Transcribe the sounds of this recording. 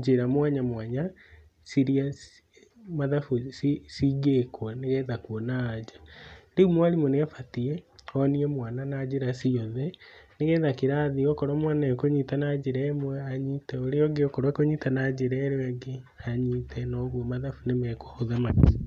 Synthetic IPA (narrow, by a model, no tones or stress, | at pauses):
d͡ʒeɾamwaɲamwaɲa | siɾias | maðafusisiɡekwaneɣɛðakuɔnaːd͡ʑḁdeumwalimoneafatiɛɔniɛmwananad͡ʒeɾasiɔðɛneɣɛːðakeɾaðiɔkɔɾwamwanaɔkoɲitanad͡ʑeɾɛɛmwɛaɲitɛoɾeɔɡeɔkɔɾwakoɲitanad͡ʒeɾɛɾewɛɡe | aɲitʰɛnɔɣwɔmaðafunemɛkwaoðamaki̥